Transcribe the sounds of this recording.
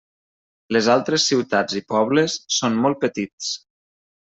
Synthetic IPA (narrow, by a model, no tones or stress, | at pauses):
ləzalˠt̪ɾesːiwt̪ad͡zipɔβləsːonmɔlˠt̪̚pət̪it͡s